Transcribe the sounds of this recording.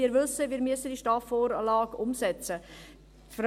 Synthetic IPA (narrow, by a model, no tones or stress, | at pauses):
iːɾʋʏsəʋiːɾmyəsədiʃtɑːfoːɾlɑːɡʊmsɛt͡sə | fr